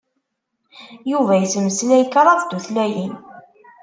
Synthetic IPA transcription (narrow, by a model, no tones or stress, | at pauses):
juvæjsməslæjkɾˤɑðd̪̥uθlæjin